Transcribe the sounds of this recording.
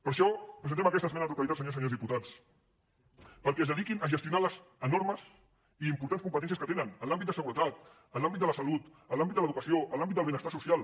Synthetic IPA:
pəɾʃɔpɾəzənt̪ɛməkɛst̪əzmɛnəðəluk̪alit̪asəɲos̬əɲozðiput̪at͡s | pəlˠkɛəzðəðikinəʒəst̪junaləzənoɾməz | iimpuɾt̪anskumpət̪ɛns̬jəskət̪enənənlambit̪̚d̪əsəɣuɾət̪at̪̚ | əlambit̪d̪ələsəlut̪ | əlambitd̪d̪ələðukəsioʔəlambit̪d̪əlˠβɛnəst̪asusijalˠ

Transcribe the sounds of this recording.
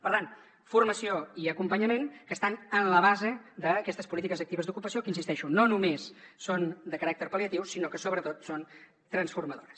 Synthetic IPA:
pəɾt̪an | furməsioiəkumpəɲəmenkəst̪anənləβ̞azed̪əːkɛst̪əspulit̪ikəzək̚t̪iβəzd̪ukupəsiokəinsist̪ɛʃunonumesːond̪əkəɾak̚t̪əɾpəliət̪iwsinokəsoβɾət̪ot̪son | t̪ɾənsfuɾməðoɾəs

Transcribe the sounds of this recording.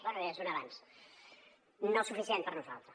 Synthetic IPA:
larəʒunəβans | nosufisient̪pəɾnuza̰lˠt̪ɾə

